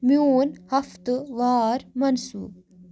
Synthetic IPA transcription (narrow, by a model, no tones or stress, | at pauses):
muːnhaft̪ɨvɑːɾmansṵːb̚